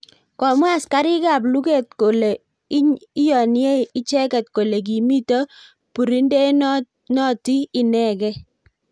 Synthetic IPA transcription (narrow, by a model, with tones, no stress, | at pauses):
kɔ˨mwa˦˨ska˦ɾɪ˦ɡa˦˨blu˦ke˦˨t̚ko˨le˨ | ɪ˦ɲi˦jɔ˨nɪ˦e˦˨ɪ˦t͡ʃɛ˦kɛ˨t̚ko˨le˨k̬i˨mi˦to˦ | pu˨ɾi˦nde˦ | nɔ˦ti˦ɪ˦nɛ˦˨ɡɛ˦